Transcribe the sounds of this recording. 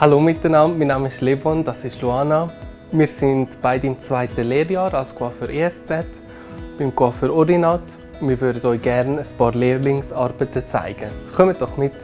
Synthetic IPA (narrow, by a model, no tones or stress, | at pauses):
haloːmɪtdənɑmmiːnɑːməɪʃlevɔndɑsɪʃluɑːna | miːɾsɪndb̥aɪdiɪmt͡sv̥aɪtəleːɾjɑːɾɑlso̥kʰwafəɾʔeːɛft͡sɛt | b̥ɪmkwafəɾɔɾinɑt | nmɪɾvøɾdədɔʏɡ̥ɛɾnəspɑːɾleːɾlɪŋsɑɾb̥ətət͡sa̰ɪɡ̥əχœmətd̥ɔχmɪt